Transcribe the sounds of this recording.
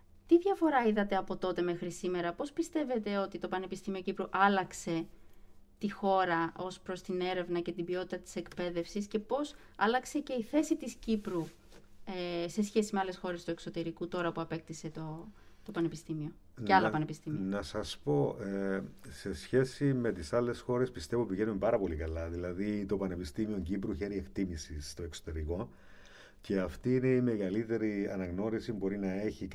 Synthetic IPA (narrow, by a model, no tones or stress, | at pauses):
t̪iðʝɐfo̞ɾɐiðɐt̪eɐpo̞t̪o̞t̪e̞me̞xɾisime̞ɾɐpo̞spist̪e̞ve̞t̪e̞o̞t̪it̪o̞pɐne̞pist̪imiocipɾuʔɐlɐkse̞ | t̪ixo̞ɾɐo̞spɾo̞st̪ine̞ɾe̞vnɐce̞t̪ibio̞t̪it̪ɐt̪i̥se̞kpe̞ðe̞fsisce̞po̞s | ɐlɐkse̞ce̞iθe̞sit̪iscipɾu | ese̞sçe̞simeɐle̞sxo̞ɾe̞st̪uekso̞t̪e̞ɾikut̪o̞ɾɐpuɐpe̞k̚t̪ise̞t̪o̞t̪opɐnepist̪imio̞ | neɐlopɐnepist̪imiinɐsɐspo̞ese̞sçe̞sime̞t̪isɐlːe̞sxo̞ɾe̞spist̪e̞vupiʝe̞numepɐɾɐpo̞likɐlɐðilɐðit̪o̞pɐnepist̪imio̞ɲɟipɾuçe̞ɾie̞kt̪imisist̪o̞e̞ksot̪e̞ɾiko | ce̞ɐft̪iːne̞ime̞ɣɐlit̪e̞ɾiɐnɐɣno̞ɾisibo̞ɾinɐe̞çik